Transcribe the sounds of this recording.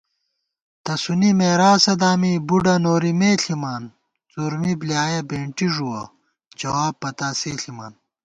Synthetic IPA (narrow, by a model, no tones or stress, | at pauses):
t̪ɐsunimeːɾaːsɐd̪aːmibuɖɐnoːɾimeːɬʰimaːn | t͡suɾmiblijaːjɐbeːɳʈiʐuwɐ̰ | d͡ʑɐwaːbpːɐt̪aːseːɬima̰ːn